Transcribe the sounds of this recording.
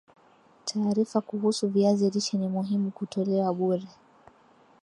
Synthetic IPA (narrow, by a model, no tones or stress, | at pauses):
tʰaːɾifakuɦusuviaziɾiʃɛnimuɦimukutɔlɛwaɓuɾɛ